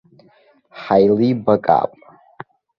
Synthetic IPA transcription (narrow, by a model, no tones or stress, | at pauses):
ħajlibakʼa̰ːpʼ